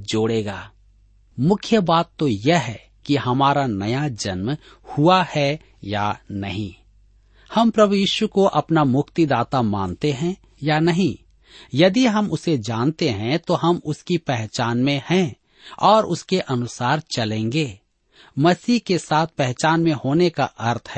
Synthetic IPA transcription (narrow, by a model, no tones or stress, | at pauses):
d͡ʒoːɽeːɡaː | mʊkʰjəbaːt̪ːojeɦɛ | kiɦɐmaːɾanɐjad͡ʒɐnm | huahɛ | ja̰nɐɦḭ̃ | hɐmpɾɐbujiːʃukoʔɐpnamʊkt̪id̪aːt̪amã̰ːnt̪eɦɛ̃ | janɐɦĩ | jɐd̪iɦɐmʊsed͡ʒaːnt̪eɦɛ̃t̪oɦɐmʊskipɛɦt͡ʃaːnmẽhɛ̃ | ɔːɾʔʊskeʔɐnʊsaːɾt͡ʃɐlẽːŋɡeː | mɐsiːkesaːt̪̚ʰpɛɦt͡ʃaːnmẽhoːneka̰ʔɐɾt̪ʰɦɛː